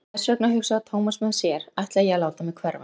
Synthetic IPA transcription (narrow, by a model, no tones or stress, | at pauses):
ɛsœknaɦʏxsaat̪ʰoːwmasmʏðsjɛɾajht̪lajɛɣalaːwt̪amɛðkʰvɛɾva̰